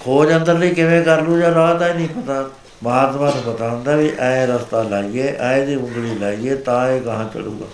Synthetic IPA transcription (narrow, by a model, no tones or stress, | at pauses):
kʰoːd͡ʒənd̪əɾləiːkɪʋẽːkəɾlũːd͡ʒaːɾaːt̪aeːnĩːpət̪aː | məɦaːt̪maːnũːpət̪aːɦə̃nd̪aːʋiʔɛ̃ẽɾəst̪aːlaːieːʔɛ̃ːẽd̪iːʊ̃ŋɡɽiːlaːiːeːt̪ãːeːɡəɦãːt͡ʃə̰ɽṵːɡa̰ː